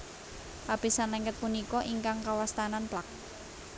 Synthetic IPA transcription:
hapisanlɛŋɡət̪̚punikɔʔiŋkaŋkawast̪ananplak̚

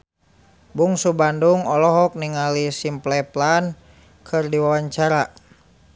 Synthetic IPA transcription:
buŋsubanduŋɔlɔɦɔk̚niŋalisimplɛplan | kʰɨrdiwawaɲt͡ʃaɾa

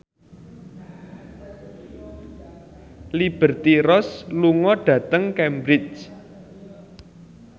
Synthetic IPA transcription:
lib̥ə̤rt̪iɾɔsluŋɔɖ̥ä̤t̪əŋkɛmbɾɪt͡ʃ

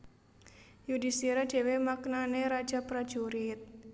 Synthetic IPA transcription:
judisiɾad̥e̤wemaknaneɾḁd͡ʒapɾḁd͡ʒuɾit̪̚

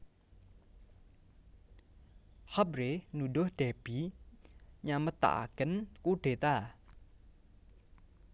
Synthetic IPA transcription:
hɔp̚renudohd̥ɛb̥i | ɲamət̪a̰ʔkənkud̥et̪a

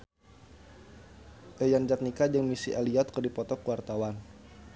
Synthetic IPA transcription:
ʔejand͡ʒat̪̚nikad͡ʒəŋmisiʔaliɔt̪̚kərdipɔt̪ɔkuwart̪awan

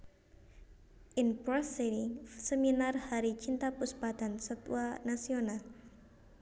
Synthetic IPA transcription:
ʔinpɾɔsiɾiŋsəminarhaɾit͡ʃint̪apusbat̪ansət̪ṵanasional

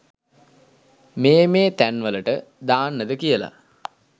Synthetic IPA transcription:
meːmeːt̪ænʋələʈəd̪aːnːəd̪əkijəla̰

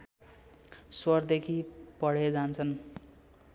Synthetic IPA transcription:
swʌrd̪ekʰipʌɽ̤ed͡zant͡sʰʌn

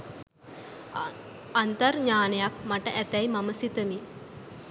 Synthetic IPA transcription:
ant̪əɾɲaːnejakmaʈəʔæt̪ɛjmaməsit̪əmi

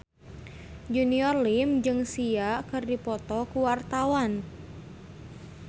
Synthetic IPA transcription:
d͡ʒuniɔrlimd͡ʒɨŋsiakɨrdipɔt̪ɔkuwart̪awan

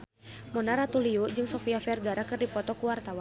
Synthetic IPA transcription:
mɔnaɾat̪uliud͡ʒɨŋsɔfiafɛrɡaɾakɨrdipɔt̪ɔkuwart̪awan

